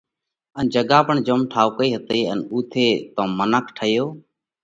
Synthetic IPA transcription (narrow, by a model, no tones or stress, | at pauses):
ənd͡ʒəɡaːpəɳd͡ʒəmʈʰaːʋkəiːɦət̪eːə̰nuːt̪ʰeːt̪õːmənəkʰʈʰəjoː